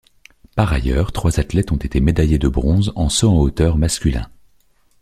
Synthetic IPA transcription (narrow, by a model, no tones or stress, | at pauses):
paʁa̰jœːʁt̪χwazat̪lɛt̪ɔ̃t̪et̪emed̪ajed̪əbʁɔ̃zɑ̃sɔɑ̃ot̪œʁmaskʲylɛ̰̃